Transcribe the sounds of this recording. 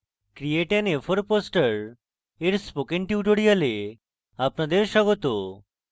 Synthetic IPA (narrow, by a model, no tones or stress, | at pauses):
kɾieʈenefʰoɾposʈəɾ | eɾspokenʈiuʈoɽijale | apnad̪eɾʃɔɡot̪o